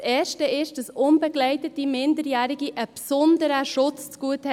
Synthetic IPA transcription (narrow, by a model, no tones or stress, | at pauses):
sɛːʃtəɪʃd̥ɑsʊnbəɡlɛɪtət̚dimɪndəɾjæːɾɪɡiʔəpsɔndəɾəʃʊt͡st͡sɡ̥uəthɛ